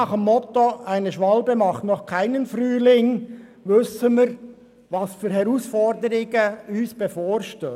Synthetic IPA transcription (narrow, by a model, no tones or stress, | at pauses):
ɑːχəmːɔt̪oʔaɪnəʃʋɑlbəmɑχtnɔχkʰaɪnənfɾyːlɪŋ | ʋʏsəmiːɾ | ʋɑsfyːɾhɛɾuːsfɔɾdəɾɪɡəyːsb̥efoːɾʃtøː